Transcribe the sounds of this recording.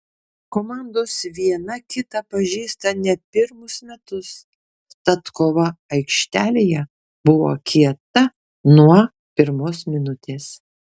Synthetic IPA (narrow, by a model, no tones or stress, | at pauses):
koːmɑˑnd̪oːsʋʲiɛnɐkʲɪt̪ɐpɐʒʲiːst̪ɐnʲɛpʲɪɾmʊsmʲɛt̪ʊs | t̪ɐt̪koːʋɐɐɪkʃʲt̪ʲæːlʲeːjɛ | bʊʋo̰ːkʲʰiɛt̪ɐ | nuɔɐ | pʲɪɾmoːsmʲɪnʊt̪ʲeːs